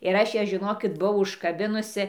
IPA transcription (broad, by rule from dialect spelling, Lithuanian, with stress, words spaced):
ɪr ˈɐʃ jæː ʒʲɪˈnoːkʲɪt bʊˈɐʊ ʊʃkɐˈbʲɪnʊsʲɪ